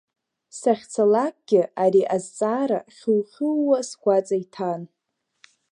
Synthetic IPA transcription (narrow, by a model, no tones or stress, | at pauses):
saχʲt͡sʰalak̚ɡ̥ʲɪaɾiʔazt͡sʼaːɾaχʲuwχʲɨlwasɡʷat͡sʼajtʰan